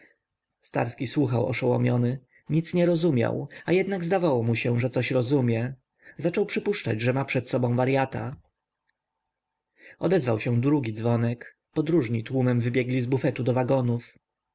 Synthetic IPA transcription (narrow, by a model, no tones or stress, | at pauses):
st̪a̰ɾskʲiswuxawɔ̰ʂɔwɔ̰mʲjɔnɘ | ɲit̪sɲɛɾɔzumʲja̰wajɛd̪naɡzd̪avawɔmuɕɛʐɛt̪sɔɕɾɔzumʲjɛ | zat͡ʂɔwpʂɘpuʂt͡ʂa̰d͡ʑʐɛmapʂɛt̪sɔbɔ̃w̃vaɾjat̪a̰ | ɔd̪ɛzvawɕɛ̃d̪ɾuɡʲid̪zvɔnɛk | pɔd̪ɾuʐɲit̪wumɛmvɘbʲjɛɡlʲizbufɛt̪ud̪ɔvaɡɔnuf